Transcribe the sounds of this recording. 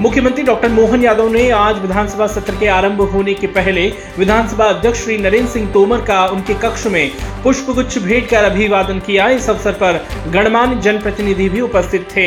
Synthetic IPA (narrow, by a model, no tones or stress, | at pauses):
mʊkʰjəmə̃nt̪ɾiɖɔːk̚ʈəɾmoːɦənjaːd̪ə̃neaːd͡ʒʋɪd̪ʱaːnsəbʱasɐt̪ɾəkeaːɾə̃mbʱɦoːnekepɛɦle | ʋɪd̪ʱaːnsəbʱaɐd̪ʱjəkʂʃɾiːnɐɾeːnsɪ̃ŋɡ̚t̪oːməɾkaʊnkekɐkʃmẽpʊʃpəɡʊtːʃʰbʱeːɖkɐɾɐbʱiʋaːd̪ənkijaɪsɐʋsəɾpɐɾɡɐɽ̃maːnd͡ʒɐnpɾɐt̪ɪnɪd̪ʱibʱiʊpəst̪ʰɪt̪ʰːeː